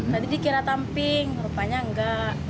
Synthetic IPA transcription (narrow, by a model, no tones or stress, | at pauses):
t̪adidikiɾat̪ampɪŋɾupaɲaŋɡaʔ